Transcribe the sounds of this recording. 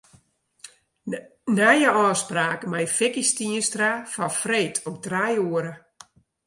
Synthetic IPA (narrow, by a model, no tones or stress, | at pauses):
najəɔːspraːkəmajfɪkistiənstrafɔfreːtʰɔmdrajuəɾə